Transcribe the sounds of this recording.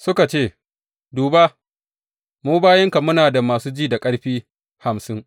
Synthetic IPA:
sʊ˦ka˨t͡ʃeː˦˨ | duː˨ba˦ | muː˦baː˦jɐ˦ŋka˨mʊ˦naː˨da˨maː˨suː˦d͡ʒiː˦da˨kʼɐ˦ɽɸiː˦ | ha˨msɪ˦ŋ

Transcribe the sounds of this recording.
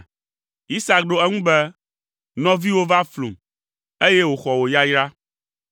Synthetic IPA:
i˦sa˨k̚ɖo˦ɛ˦ŋũ˦bɛ˦ | nɔ̃˦vi˦wo˦va˦flṵ˨m | e˦je˦wo˨xɔ˨wo˨ja˦jɾa˦

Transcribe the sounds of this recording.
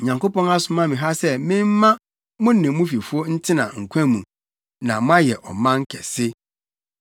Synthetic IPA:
ɲã˨ŋko˦pɔ̃˦na˦sʊ˨mã˦mɪ̃˨ɦa˦sɛ˦mɪ̃˦m˦mã˦ | mʊ̃˦n˦˨ɪ̃˨˦mʊ̃˦fi˨fu˦ɔ˦n̩˦tʰɪ˦nã̰˨ŋ̩˨kʷʰæ̃˦mũ˨ | nã˨mʊ̃˦a˦jɛ˨ʔɔ̰˨mã˦ŋ˦kʰɛ˨sɪ˦

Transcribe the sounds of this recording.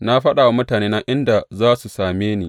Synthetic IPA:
na˦ɸɐ˦ɗaː˨wa˦mʊ˦taː˨neː˦na˦ʔɪ˦nda˨zaː˦su˨saː˨meː˦niː˦˨

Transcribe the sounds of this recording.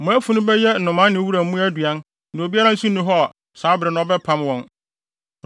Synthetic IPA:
mʊ̃˨æ˦fu˨nʊ̃˦bɛ˦jɛ˦n̩˨nʊ̃˨mã˦nɪ̃˨˦wu˦ɾa˨˦mũ˦æ˦du˨a˦n | nʊ̃˨o˨bi˦a˦ɾã˦n̩˦su˦nʊ̃˦ɦɔ˦˨ | saː˨˦bɪ˨ɾɪ˨nʊ̃˦ɔ˦bɛ˦pʰã˦mwɔ̃˨n

